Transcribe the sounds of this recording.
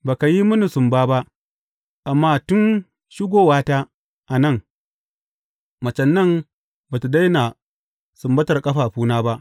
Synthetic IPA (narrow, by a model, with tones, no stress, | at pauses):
baː˨ka˨ji˦mʊ˦ni˨sʊ˨mbaː˦ba˦ʔ | ʔa˨mːaː˦tʊ˦n | ʃɪ˦ɡʷoː˦waː˦ta˦ | ʔa˨nɐ˦˨ŋ | mɐ˨t͡ʃɐ˨nːɐ˦m | ba˨tu˨da˦jna˨ | sʊ˨mbɐ˦tɐ˨rkʼɐ˦ɸaː˨ɸuː˦naː˦ba˦ʔ